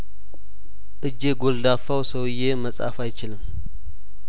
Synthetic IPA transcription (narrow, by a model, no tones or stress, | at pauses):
ʔɨd͡ʒːeɡo̞ld̪afːawsəwɨjːe̞məsʼa̰fajt͡ʃɪlɨm